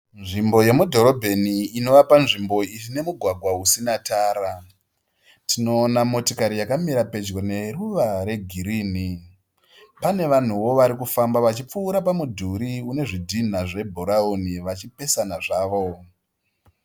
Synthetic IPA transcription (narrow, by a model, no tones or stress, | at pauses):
nʐimbo̞je̞mudʱo̞ɾo̞bʱe̞niːno̞ʋapanʐimbo̞iine̞muɡʱwaɡʱwausinataːɾa | tino̞ːnamo̞tikaɾijakamiɾape̞d͡ʒɡone̞ruʋaɾe̞ɡʱiɾiːni | pane̞ʋan̤uwo̞ʋaɾikufambaʋat͡ʃip͡fuːɾapamudʱuɾiune̞ʐidʱin̤aʐe̞bʱoɾaoniʋat͡ʃipe̞sanaʐaːʋo̞